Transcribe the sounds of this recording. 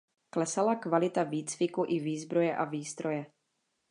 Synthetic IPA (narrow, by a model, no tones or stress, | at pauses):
klɛsalakvalɪt̪aviːt͡svɪkuʔɪviːzbɾo̞jɛʔaviːst̪ɾojɛ